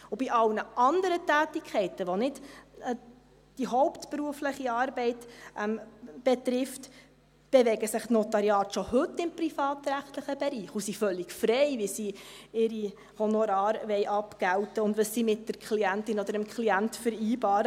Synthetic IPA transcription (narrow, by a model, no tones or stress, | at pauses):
ʊbiʔɑlnəʔɑnd̪əɾətæːtikʰɛɪtəʋonɪd̥ | d̥iɦɔʊpt̪pɾuəfləχiɑːɾbɛɪtʔɛmb̥ɛt̪ɾɪft | b̥evɛɡəsɪχtnɔtɑɾiɑːtʃohɵtːɪmpɾifɑːtɾæχtləχəb̥ɛɾiːχusifœlɪkfɾɛɪʋɪsiɪɾi | honoɾɑːɾʋɛɪʔɑpɡ̥æltəʊndʋəssimɪt̚dəɾkʰliæntɪnɔd̪əɾəmkχliæntfəɾiːbɑːɾə